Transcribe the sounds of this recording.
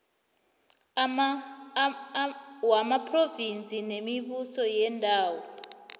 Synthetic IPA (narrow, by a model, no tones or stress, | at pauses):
wamapʰrovint͡sʼinemiɓusɔjɛndʱaːwɔ